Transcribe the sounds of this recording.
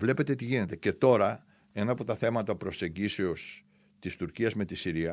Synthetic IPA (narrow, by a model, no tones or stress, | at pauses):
vle̞pe̞t̪e̞t̪iʝine̞t̪e̞ce̞t̪o̞ɾɐ | e̞nɐːpo̞t̪ɐθe̞mɐt̪ɐpɾo̞se̞ɲɟise̞o̞s | t̪ist̪uɾciɐzme̞t̪isiɾiɐ